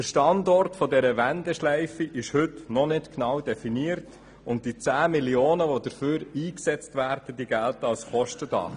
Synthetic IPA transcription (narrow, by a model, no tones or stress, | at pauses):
d̥əʃtɑndɔrtfɔdɛɾəʋændɛʃlɛɪfiʔɪʃhɵtnɔnɪtknɑwdɛfiniəɾt | ʊnt̚d̥it͡sæːmilioːnəʋodəɾføːɾiːksɛt͡stʋæːɾd̥əd̥iɡæltəɑlsχɔʃtədɑ̰χ